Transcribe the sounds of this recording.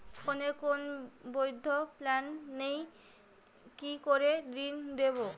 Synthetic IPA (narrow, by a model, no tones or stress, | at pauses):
konekonbojd̪ʱːoplanːej | kikoɾed̪ɾind̪eβo